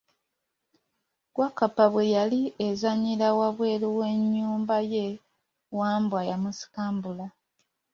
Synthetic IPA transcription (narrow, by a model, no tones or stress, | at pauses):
kwakapaβwe̞jaliezaɲiɾawaβwe̞ːluwe̞ɲːuːmbaje̞ | waːmbwajamusi̥kaːmbula